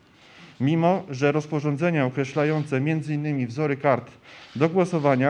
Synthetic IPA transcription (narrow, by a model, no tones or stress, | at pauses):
mʲimɔʐɛɾɔspɔʐɔnd̪zɛɲaɔkɾɛɕlajɔnt̪sɛmʲjɛnd̪zɘinːɘmʲivzɔɾɘkaɾt̪d̪ɔɡwɔsɔvaɲa